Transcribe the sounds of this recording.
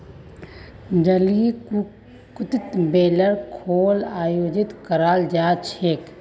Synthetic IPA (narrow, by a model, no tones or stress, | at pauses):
d͡ʒəli | kʊt̪ɪt̪beːləɾkʰoːlaːjoːd͡ʒɪt̪kəɾaːld͡ʒaːt͡ʃʰeːk